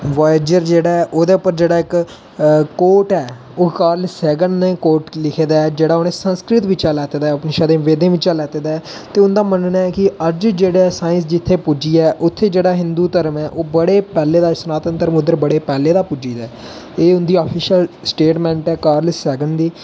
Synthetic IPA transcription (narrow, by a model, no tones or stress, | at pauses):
ʋaːɪd͡ʒəɾd͡ʒeːɽaːɛʔoːd̪eːʊpːəɾd͡ʒeːɽaːɪk | koːʈɛː | oːkaːɾləsɛːɡənnẽːkoːɾʈlɪkʰeːd̪aːɛːd͡ʒeːɽaːoːneːsənskɾɪt̪ʋɪt͡ʃaːlɛːt̪eːd̪aːəpnẽːʃaːd̪ẽːʋeːd̪ẽːʋɪt͡ʃaːlɛːt̪eːd̪aːɛːt̪eːʊnd̪aːmənnaːɛːkɪəd͡ʒd͡ʒeːɽesaːɪ̃nsd͡ʒɪt̪ʰːeːpud͡ʒiːɛːʔʊt̪ʰːeːd͡ʒeːɽaːɦɪ̃nd̪uːt̪əɾəmɛːʔoːbəɽeːpɛːleːd̪aːsənaːt̪ənt̪əɾəmʊd̪əɾbəɽeːpɛːleːd̪aːpud͡ʒiːd̪aː | eːʊnd̪iːaːpʰɪʃəlsʈeːʈmɛ̃ːɳʈɛːkaːɾləsɛːɡəɳd̪iː